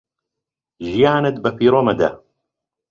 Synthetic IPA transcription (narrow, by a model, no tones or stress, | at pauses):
ʒijaːnɐd̪bɐfiɾomɐd̪a̰